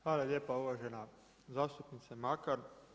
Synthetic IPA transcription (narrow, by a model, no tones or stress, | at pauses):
hʋaːlaljeːpauʋaʒena | zaːst̪upnit̪samakaɾ